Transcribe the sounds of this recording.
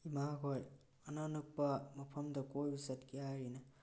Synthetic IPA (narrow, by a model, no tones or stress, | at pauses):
imaɡoj | ɐnanuk̚pɐmɐpʰɐmdɐkojbisɐtkiajɾinɐ